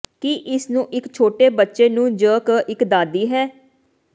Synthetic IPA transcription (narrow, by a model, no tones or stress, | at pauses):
kiʔɪsnũːʔɪkt͡ʃʰoːʈeːbətːʃeːnũːd͡ʒəːkːʔɪkd̪aːd̪iːɦɛː